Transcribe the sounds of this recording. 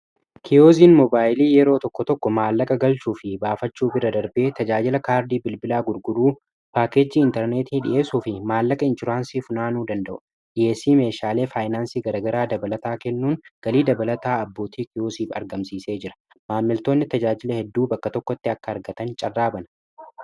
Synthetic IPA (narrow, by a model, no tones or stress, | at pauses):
kʰɪjoːziːnmɔbaːjɪliːjɛɾo̞ːt̪ɔkːɔt̪ɔkːɔmaːlːɐkʼɐɡɐlt͡ʃuːfɪbaːfɐt͡ʃːuːbɪɾɐd̪ɐɾbe̞ːt̪ɐd͡ʒaːd͡ʒɪlɐkaːɾd̪iːbɪlbɪlaːɡʊɾɡʊduː | paːkeːd͡ʒːiːɪnt̪ɛɾneːt̪iːᶑɪ̰jʔe̞ːsuːfɪmaːlːɐkʼɐɪnt͡ʃʊɾaːnsiːfʊnaːnuːd̪ɐnd̪ɐʔʊ̥ | ᶑɪje̞ːsiːme̞ːʃaːle̞ːfaːjnaːnsiːɡɐɾɐɡɐɾaːd̪ɐbɐlɐt̪aːkɛnːuːŋɡ̥ɐliːd̪ɐbɐlɐt̪aːɐbːo̞ːt̪ʰiːkɪjoːsiːfɐ̰ɾɡɐmsiːse̞ːd͡ʒɪɾɐ̥ | maːmːɪlt̪o̞ːnːɪt̪ɐd͡ʒaːd͡ʒɪlɐhɛd̪ːuːbɐkːɐt̪ɔkːɔt̪ːɪɐkːɐːɾɡɐt̪ɐnt͡ʃʼɐrːaːbɐnɐ